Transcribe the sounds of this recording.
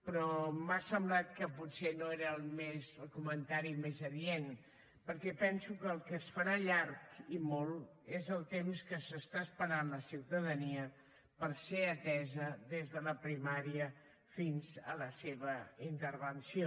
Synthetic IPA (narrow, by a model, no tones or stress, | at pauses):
pɾɔmasəmblat̪kəputsenoeɾəːlˠmezəlˠkumənt̪aɾimezəðien | pəɾkɛpɛnsukəːlˠkəsfəɾaʎarkimɔlˠ | ezəlˠt̪emskəsəst̪aəspəɾanləsiwt̪əðəniə | pəɾseət̪ɛzəðezðələpɾimaɾiə | finzə̰ləseβ̞əint̪əɾβənsio